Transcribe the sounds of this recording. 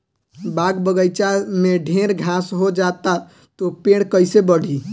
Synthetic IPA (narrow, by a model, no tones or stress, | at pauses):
baɡbəɡəjt͡ʃameɖʱeɾɡʱãsɦod͡ʒat̪a | t̪opeɽkəɪsebəɽʱi